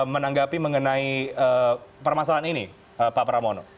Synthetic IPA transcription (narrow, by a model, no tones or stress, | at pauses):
mənaŋɡapiməŋənaiəpərmasalaanini | əpapɾamono